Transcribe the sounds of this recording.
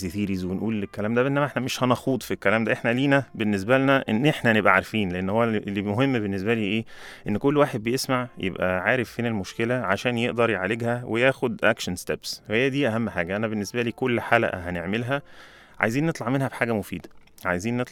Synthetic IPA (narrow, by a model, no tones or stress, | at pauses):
eθiːɾizwenʔuːlːekːælæːmd̪æʔenːæmæʔeħnæmeʃhænɑxuːd̪ˤfikːælæːmd̪æʔeħnæliːnæbenːes̬bælnæʔenːʔeħnænebʔæʕaɾfiːnleʔenːhowːælːimoɦemːbenːes̬bæliːʔeːʔenːkolːwaːħed̪̚bejesmaʕjḛbʔæʕaːɾefːeːnelmoʃkelæʕaʃæːnjeʔd̪ɑɾˤjeʕaleɡhæwʔejæːxod̪ʔækʃænst̪æbswhejːæd̪iːʔæhæmːħaːɡæʔænæbenːesbæliːkolːħaːlæ̰ʔɦæneʕmelɦæ | ʕa̰jziːnːet̪ˤlɑʕmenhæbħaːɡæmofiːd̪æ | ʕajeziːnːet̪ˤ